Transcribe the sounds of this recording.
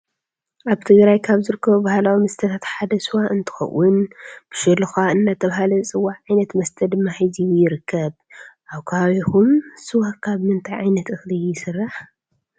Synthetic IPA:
ʔaβt̪ʰɨɡɾajkʰaβzɨɾɨkːɐβubahlawimɐst̪ʰɐt̪ʰat̪ħad̪ɐsɨwaʔɨnt̪ʰɨ̥xɐ̰wːʊnb̥ɨʃɛlːɨxaɨnːat̪ʰɐβhalɐt͡sʼɨwːaʕʕajnɐt̪mɐst̪ʰɐd̪ɨmːahajziwjɪɾɨkʰːɐβ | ʔaβkʰɐaβikumsɨwakʰaβmɨnt̪ʰʼajʕajnɐt̪ɨxlɨɪsɨrːaħ

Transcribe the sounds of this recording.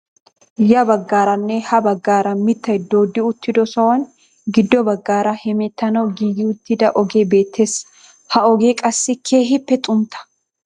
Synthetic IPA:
jɐbɐɡːaːɾɐnːɛhɐbɐɡːaːɾɐmɪt̪ːɐd̪oːd̪ːɪʊt̪ːɪd̪ɔsɔwɐn | ɡɪd̪ːɔbɐɡːaːɾɐhɛmɛt̪ːɐnɐwɡiːjɪʊt̪ːɪd̪ɐʔɔɡe̞ːbe̞ːt̪ːe̞ːs | hɐɔɡe̞ːkʼɐsːɪkʰeːɦɪpːɛt̪ʼʊmt̪ʰɐ̥

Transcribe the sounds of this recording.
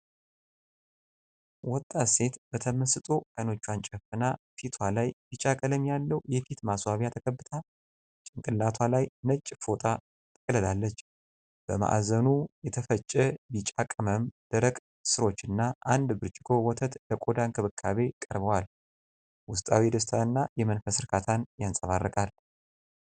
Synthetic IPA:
wɔt̪ʼːase̞t̪bət̪ʰəməsɨt̪ʼokajno̞t͡ʃːwant͡ʃʼɛfɨna | fit̪ʰwalajbit͡ʃʼakʼələmjalːəwjɛfit̪maswaβjat̪ʰəkʰəbːɨt̪ʰa | t͡ʃʼɪŋkʼɨlːat̪ʰwalajnət͡ʃʼːfo̞t̪ʼa | t̪ʼəkʼləd̪alːət͡ʃː | b̥əma̰ʔzənujɛt̪ʰəfət͡ʃʼːɛbit͡ʃʼakʼəməmd̪̥əɾəkʼ | sɨɾo̞t͡ʃːɨnːaʔand̪bɨɾt͡ʃʼɪɡʰo̞wɔt̪ʰət̪ləkʼod̪ankʰɨβɨkʰːaβe̞kʼəɾβəwal | wʊst̪ʼawid̪əst̪ʰaɨnːajɛmənfəsɨɾkʰat̪ʰanjansʼəβarːəkʼal

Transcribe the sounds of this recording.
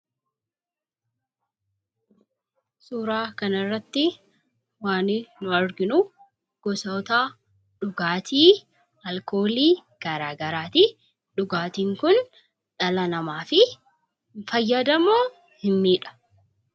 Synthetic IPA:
suːɾaːkɐnɐrːɐt̪ːɪ | waːnɪnʊɐɾɡɪnʊ | ɡ̥ɔsɐwt̪aː | ᶑʊɡaːt̪ʰiː | ɐlko̞ːliːɡ̥ɐɾaːɡɐɾaːt̪i | ᶑʊɡaːt̪iːŋkʊn | ᶑɐlɐnɐmaːfɪ | fɐjːɐd̪ɐmoː | hɪmːiːᶑɐ̥

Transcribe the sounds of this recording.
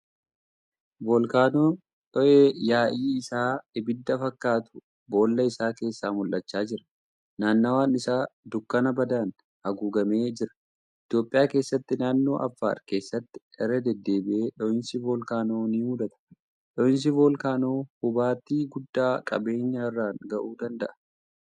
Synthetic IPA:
bolkaːnoː | ᶑɔʔeːjaːʔiːɪsaːɪbɪd̪ːɐfɐkːaːt̪ʊ̥ | bo̞ːlːɐɪsaːke̞ːsːaːmʊlʔɐt͡ʃːaːd͡ʒɪɾɐ̥ | naːnːɐwaːnɪsaːd̪ʊkːɐnɐbɐd̪aːn | hɐɡuːɡɐme̞ːd͡ʒɪɾɐ̥ | ʔɪt̪jo̞ːpʼːɪjaːke̞ːsːɐt̪ːɪnaːnːo̞ːʔɐ̰fːa̰ːɾke̞ːsːɐt̪ːɪ̥ɛrːɐd̪ɛd̪ːe̞ːbɪʔeːᶑɔʔɪnsɪvoːlkaːno̞ːniːmʊᶑ̪ɐt̪ɐ̥ | ᶑɔɪns̬ɪvoːlkaːno̞ːhʊbaːt̪iːɡʊd̪ːaːkʼɐ̰be̞ːɲːaːɪrːaːŋɡɐʔuːd̪ɐnd̪ɐʔɐ̥

